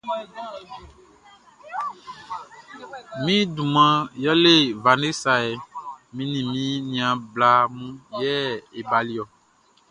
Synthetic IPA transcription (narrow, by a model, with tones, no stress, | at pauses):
mĩ˦du˨mã˨jɔ˦le˦˨va˨ne˦sa˨e˨mĩ˦nĩ˨mĩ˦nĩ˨ã˨bla˨mũ˦jɛ˦e˨ba˨li˦ɔ˨